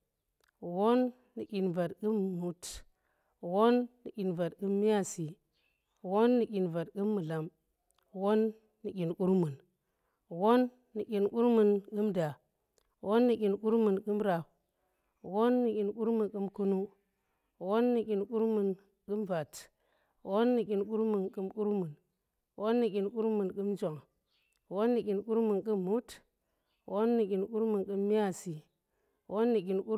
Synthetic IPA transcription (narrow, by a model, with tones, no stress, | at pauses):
wo˦nː | i˨kʲi˨nva˨tkɨ˦mːu˨t | wo˦nːi˨kʲi˨nva˨tkɨ˦mːi˦ja˦˨si˨ | wo˦nːi˨kʲi˨nva˨tkɨ˦mːɨ˨la˨m | wo˦nː | i˨kʲi˨nku˦ɾmu˨n | wo˦nː | i˨kʲi˨nku˦ɾmu˨nkɨ˦mda˨ | wʔo˦nːi˨kʲi˨nku˦ɾmu˨nkɨ˦mɾa˨p̚ | wo˦nːi˨kʲi˨nku˦ɾmu˨nkɨ˦mku˦nu˦ | wo˦nːi˨kʲi˨nku˦ɾmu˨n | kɨ˦mva˨t | wo˦nːi˨kʲi˨nku˦ɾmu˨nkɨ˦mku˦ɾmu˨n | wʔo˦nːi˨kʲi˨nku˦ɾmu˨nkɨ˦md͡ʒo˨ŋ | wo˦nːi˨kʲi˨nku˦ɾmu˨nkɨ˦mːu˦t | wo˦nːi˨kʲi˨nku˦ɾmu˨nkɨ˦mːi˦a˦˨si˨ | wʔo˦nːi˨kʲi˨nku˦